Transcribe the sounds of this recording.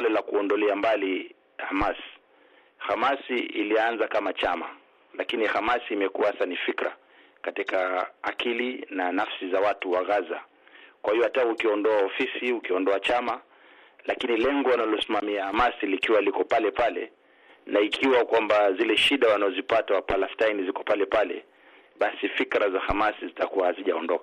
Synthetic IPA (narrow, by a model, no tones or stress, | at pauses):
lɛlakuɔndɔlɛambali | hamasi̥ | hamasiḭlianzakamat͡ʃama | lakinihamasiːmɛkuahasanifikɾa̰ | katikaːkilinanafsizawatuwaɣaza | kwahijɔhataukiɔndɔaɔfisiukiɔndɔat͡ʃama | lakinilɛŋɡɔwanalɔsimamiahamasilikiwalikɔpalɛpalɛ̰ | naikʰiwakwambazilɛʃiɗawanaɔzipatawapalastajnizikɔpalɛpalɛ̰ | ɓasifikɾazahamasizitakuwahaziʄaɔndɔka